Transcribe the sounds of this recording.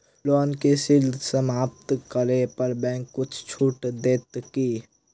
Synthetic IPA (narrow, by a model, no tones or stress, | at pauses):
loːnkesild̪ʱsəmaːp̚t̪kəɾepəɾbɛ̃ːŋkːʊt͡ʃʰt͡ʃʰuːʈd̪eːt̪kiː